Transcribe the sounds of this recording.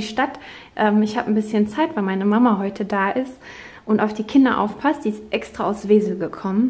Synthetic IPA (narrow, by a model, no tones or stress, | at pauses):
iʃtat | ʔɛːmɪçhaːbən̩bɪsçənt͡saɪtv̥aɪmaɪnəmamaɦɔʏtʰədaːʔɪst | ʔʊntaʊfd̥iːkʰɪndɐ̰ʔa̰ʊfpʰastz̥iːɪstʔɛkstʁ̥aaʊfsv̥eːzl̩ɡəkʰɔmən